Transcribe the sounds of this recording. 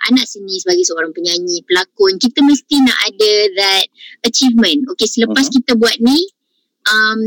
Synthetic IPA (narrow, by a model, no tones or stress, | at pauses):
ʔa̰nãʔsənĩsəbaɡajsəoɾaŋpəɲaɲĩpəlakʊnkit̪amə̃st̪ina̰ʔadaðɛt̪̚ət͡ʃifmə̃nokesələpas̬kit̪abuat̪̚ni | ʔam